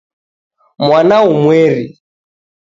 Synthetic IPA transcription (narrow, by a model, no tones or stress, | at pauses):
mwanaumwɛɾi